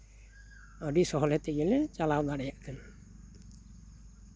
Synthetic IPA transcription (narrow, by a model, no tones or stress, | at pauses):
ɔɖisɔɦɔlɛt̪ɛɡɛlɛt͡ʃalawnaɽɛjaʔkʰən